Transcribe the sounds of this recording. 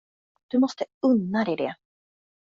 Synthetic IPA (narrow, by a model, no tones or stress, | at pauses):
d̪̥ɵmɔst̪əɵnːad̪ɛjd̪ɛ